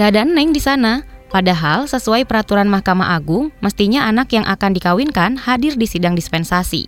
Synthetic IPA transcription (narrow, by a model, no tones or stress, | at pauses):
kəadaanːaiŋdisanapadaɦalsəsuajpəɾat̪uɾanmahkama̰ʔaɡʊŋməst̪iɲaanakjaŋʔa̰kandikawinkanhadɪrdisidaŋdispɛnsasḭ